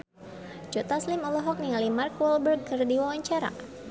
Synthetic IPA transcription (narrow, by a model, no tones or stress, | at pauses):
d͡ʒot̪aslimɔlɔɦɔk̚nialimarkwɔlbərɡ̚kərdiwawaɲt͡ʃaɾa̰